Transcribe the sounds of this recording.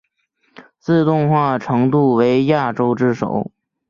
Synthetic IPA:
t͡sɹ̩˥˧t̪ʊ˥˧ŋxwa˥˩ʈ͡ʂʰɤ˧˥ŋt̪u˥˩we˧˥ɪja˥˩ʈ͡ʂo˥ʊʈ͡ʂɻ̩˥˩ʂo̰˨˩˦ʊ

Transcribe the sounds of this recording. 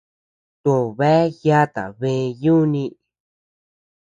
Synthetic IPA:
t̪ũ˨βe˦ja˦t̪a̰˨βẽ˧ju˦nĩ˧

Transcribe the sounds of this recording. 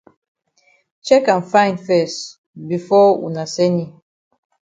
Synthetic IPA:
t͡ʃɛ˦kã˨nfã˦ɪ̃ndfɛ˨st | bi˨fɔ˦wṵ˨na˨sɛ˦ni˨

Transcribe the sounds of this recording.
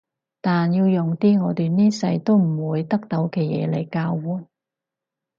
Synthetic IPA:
t̪aː˨njiː˧wjʊ˨ŋt̪iː˥ŋɔː˨˧t̪yː˨niː˥sɐ˧jt̪o˥wm̩˨˩wuː˨˧jt̪ɐ˥k̚t̪o˨˥wkɛː˧jɛ̰ː˨˧le˨˩jkaː˧wːuː˨˥

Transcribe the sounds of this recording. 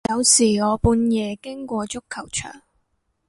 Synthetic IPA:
ɐ˨˧wsiː˨˩ŋɔː˨˧puː˧njɛː˨˧kɪ˥ŋkʷɔː˧t͡ʃʊ˥kʰɐ˨˩wt͡ʃʰœ̰ː˨˩ŋ

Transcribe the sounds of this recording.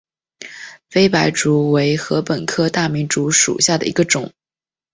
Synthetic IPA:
fe˥ɪpa˧˥ɪʈ͡ʂu˧˥we˧˥ɪxɤ˧˥pə˨˩nkʰɤ˥t̪a˥˩mi˧˥nʈ͡ʂu˧˥ʂṵ˨˩ɕja˥˩d̪ə̰˩ḭ˧˥ɡə˧ʈ͡ʂʊ˨˩˦ŋ

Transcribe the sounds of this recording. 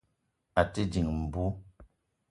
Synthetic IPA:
a˨ti˦di˨ŋm̩˨bu˦

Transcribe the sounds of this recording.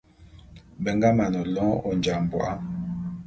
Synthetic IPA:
bɛ˨ŋɡa˦ma˨nɔ˨lɔ̃˦ɔ˦nd͡ʒa˨m̩˨bwɔ̰˨ʔa˦

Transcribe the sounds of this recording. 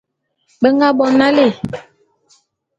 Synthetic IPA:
ɓə˦ŋɡa˦ɓɔ˨na˦le˦˨

